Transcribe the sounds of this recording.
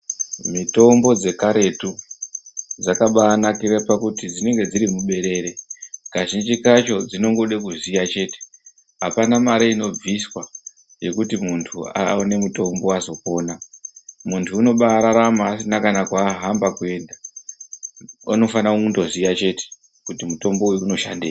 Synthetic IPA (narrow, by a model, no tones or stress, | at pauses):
mito̞mbo̞d͡ze̞kaɾe̞tu | d͡zakaɓaːnakirapakutid͡zine̞ŋɡe̞d͡ziɾimuɓe̞ɾe̞ɾe̞kaʒind͡ʒikat͡ʃo̞d͡zino̞ŋɡo̞ɗekuzijat͡ʃe̞ːte̥ | ɦapanamaɾeino̞b͡viswa | je̞kutimuntʰua̰one̞muto̞mbo̞azo̞ko̞ːnamuntʰuːno̞ɓaɾaɾamasinakanakwaːɦambakue̞ːnda | ano̞fanakuundo̞zijat͡ʃe̞te̥ | kutimuto̞mbo̞ujuːno̞ʃa̰ndeː